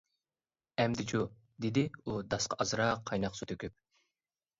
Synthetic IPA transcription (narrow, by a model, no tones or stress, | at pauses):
ɛmd̪ɪt͡ʃʰu | d̪ɪd̪ɪud̪ɑsqʰɑɑzɾɑqʰːɑjnɑqsut̪ʰøkʲyp̚